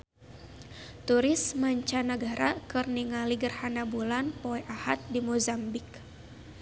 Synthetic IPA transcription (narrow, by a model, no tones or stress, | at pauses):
t̪uɾɪsmaɲt͡ʃanaɡaɾakɨrniŋaliɡərhanabulanpɔɛʔahat̪̚dimozambɪk